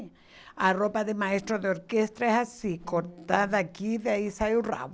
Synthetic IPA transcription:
aropaðemaest̪ɾoðeoɾkest̪ɾaehasikoɾt̪aðakiðeaisajura̰w

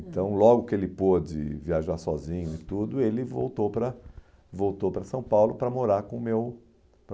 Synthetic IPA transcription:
ẽnt̪ɐ̃w̃lɔɡʊkɪelɪpod͡ʒɪ̰viaʒaɾsɔzĩɲʊɪt̪ud̪ʊelɪvo̰wt̪opɾɐ | vowt̪owpɾɐsɐ̃w̃pawlʊpɾɐmoɾaɾkõmew | p

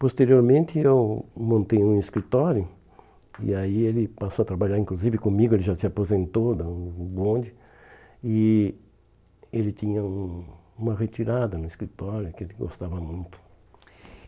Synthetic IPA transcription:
post̪eɾioɾmẽnt̪ɪewmõnt̪ejũiskɾit̪ɔɾjʊ | ḭaielɪpasowat̪ɾabaʎaɾĩŋkluzivɪkõmiɡʊelɪʒasɪapozẽnt̪od̪abõnd͡ʒɪ | ɪ | elɪt̪ĩɲɐũ | ũmɐʁet̪iɾad̪ɐnʊiskɾit̪ɔɾjʊkɪelɪɡo̰st̪avɐmũj̃t̪ʊ̥

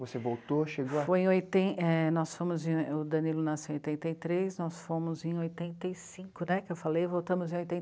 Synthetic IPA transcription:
vosevowt̪oʃeɡofojẽojt̪ẽɛnɔsfõmʊzẽʊd̪ɐ̃nilʊnasĩojt̪ẽnt̪ejt̪ɾesnɔsfõmʊzẽj̃ojt̪ẽnt̪ejsĩkʊnɛkkɪewfalejvowt̪ɐ̃mʊzẽojt̪ẽ

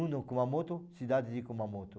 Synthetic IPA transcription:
ũnd̪okumamot̪osid̪ad̪id̪ikomamot̪o

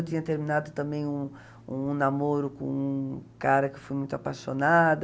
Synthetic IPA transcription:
wt̪ĩɲɐt̪eɾminad̪ʊt̪ɐ̃mbẽj̃ũ | ṵ̃namoɾʊkõ̰ũkaɾɐkɪ̥fojmũj̃t̪ʊapaʃonad̪

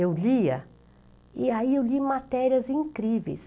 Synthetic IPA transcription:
ewliɐ̰ | iaiewlimat̪ɛɾiɐzĩkɾivḛjs

